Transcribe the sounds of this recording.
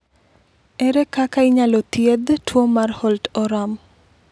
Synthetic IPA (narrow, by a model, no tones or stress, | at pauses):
ɛɾɛkakaiɲalot̪jed̪tʰwomarhɔltɔɾam